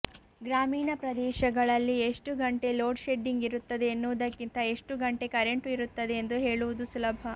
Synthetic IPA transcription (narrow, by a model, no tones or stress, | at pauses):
ɡɾaːmiːɳɐpɾɐd̪ɛːʃɐɡɐɭɐlːieʂʈuɡɐɳʈe̞lo̞ːɖʃe̞ɖiŋɡiɾut̪ːɐd̪e̞ːnːuʋɐd̪ɐkːint̪ɐe̞ʂʈuɡɐɳʈe̞kɐɾe̞ɳʈuiɾut̪ːɐd̪e̞ːnd̪uɦe̞ːɭuʋud̪usulɐbʱɐ